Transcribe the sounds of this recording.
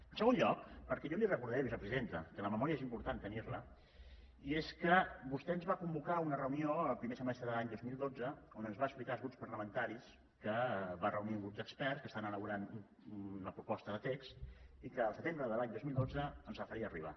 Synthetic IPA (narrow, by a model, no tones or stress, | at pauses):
ənsəɣonʎɔk̚pəɾkɛjɔlirəkuɾðɛβisəpɾəziðent̪əkələməmɔɾiəezimpuɾt̪ant̪əniɾlə | ieskəbust̪ɛənzβakumbukaunərəunioəlˠpɾimesəmɛst̪ɾəðəlaɲd̪ozmilˠd̪od͡zəonənzβaəksplikazɣɾuspəɾləmənt̪aɾis | kəβarəuniŋɡɾuzdəkspɛrskəst̪anələβuɾanu | uləpɾupɔst̪əðət̪ekst̪ikəːlˠsət̪embɾəðəlaɲd̪ozmilˠd̪od͡zəːnzβafəɾiəːriβ̞a